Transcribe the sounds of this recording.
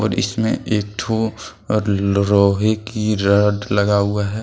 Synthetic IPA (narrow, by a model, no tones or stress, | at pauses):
ɔːɾɪ̰smẽʔeːk̚ʈ̪ʰo | ɾɔːɦekiɾəɖlɐɡaɦuaɦɛː